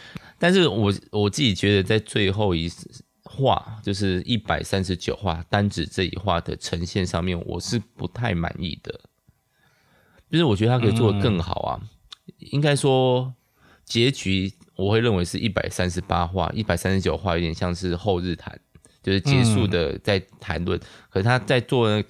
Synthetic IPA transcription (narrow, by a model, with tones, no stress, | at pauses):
t̪a˥˧nʂ̬ɻ̩˥˩wɔ˨˩wɔ˨˩t͡sɨ˥˩t͡ɕi˨˩t͡ɕɥɛ˧˥d̪ə˧t͡sa˥˧ɪt͡swe˥˧ɪxo˥˩ʊi˧˥ | xwa̰˥˧t͡ɕjo˥˧ʊʂ̬ɻ̩˥˧i˥˩pa˨˩ɪsa˦nʂɻ̩˧˦t͡ɕjo̰˨˩ʊxwa̰˥˩t̪a˥nʈ͡ʂɻ̩˨˩ʈ͡ʂɤ˥˩ḭ˨˩xwa̰˥˩d̪ə̰˩ʈ͡ʂʰə˧˥ŋɕjɛ˥˧nʂɑ˥˧ŋmjɛ˥˩nwɔ̰˨˩ʂɻ̩˥˩pu˧˦t̪ʰa˥˩ɪma̰˧˨˦nḭ˥˩d̪̥ə̰˩ | t͡ɕʂɻ̩˥˩wɔ˨˩t͡ɕɥə˧˩a˥kʰə˧˥i˨˩t͡swɔ˥˩d̪ə˩kə˥˩ŋxɑ̰˨˩ʊa̰˦ | i˥ŋka˥ɪʂwɔ˥ | t͡ɕjɛ˧˥t͡ɕy˧˥wɔ˨˩xwe˥˧ɪɻə˥˩nwe˧˥ɪʂɻ̩˥˧ʔi˥˩pa̰˨˩ɪsa˦nʂɻ̩˧˦pa˦xwa̰˥˩ʔi˥˩pa˨ɪsa˥nʂɻ̩˧˥t͡ɕjo˨˩ʊxwa˥˧˥t̪jɛ˨˩nɕjɑ˥˧ŋʂɻ̩˥˧xo˥˧ʊɻɻ̩˥˩t̪ʰa̰˧˦n | t͡ɕjo˥˧ʊʂɻ̩˥˩t͡ɕjɛ˧˥ʂu˥˩d̪ə˩t͡sa˥˩ɪt̪ʰa˧˦nlwə˥˩˨nkʰə˨˩ʂɻ̩ʰ˥˩a˥t͡sa˥˧ɪt͡swɔ˥˨də˩na˥˩ɡ